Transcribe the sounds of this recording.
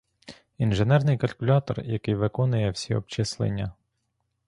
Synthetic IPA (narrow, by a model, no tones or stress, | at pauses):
inʒenɛrnɪjkɐlʲkʊlʲɑt̪ɔ̰rjɐkɪjʋɪkɔnʊjɛwsʲiɔ̰pt͡ʃɛslˠḛnʲːɐ